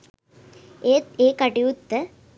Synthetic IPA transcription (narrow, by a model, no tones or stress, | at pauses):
eeːkɐʈiut̪ːə